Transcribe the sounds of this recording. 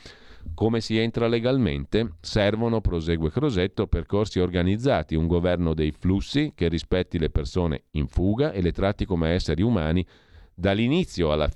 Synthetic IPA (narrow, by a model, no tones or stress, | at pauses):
komesient̪ɾaleɡalmḛnt̪esɛrvonopɾozeːɡwekɾozet̪ːoperkorsiorɡanid̪zːaːt̪iuŋɡovɛrnod̪ejflusːik̟erːispɛt̪ːilepersoːnḛiɱfuːɡaʔelet̪ɾat̪ːikomeɛsːeɾiumaːni | d̪alːinit̪sːjoalːa̰